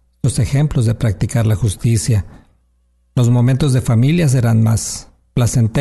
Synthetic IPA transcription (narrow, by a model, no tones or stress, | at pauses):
ose̞xe̞mplo̞zðe̞pɾak̚t̪ikaɾlaxust̪isja | lo̞zmo̞mẽ̞nt̪o̞zðe̞familjas̬e̞ɾanmas | plase̞nt̪e